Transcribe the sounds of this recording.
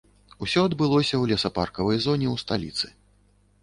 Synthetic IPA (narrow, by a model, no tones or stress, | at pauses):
usʲɔɐd̪bɨlˠɔsʲɐwlʲɛsɐparkɐvɐjzɔnʲɛwst̪alʲḭt̪sɨ̥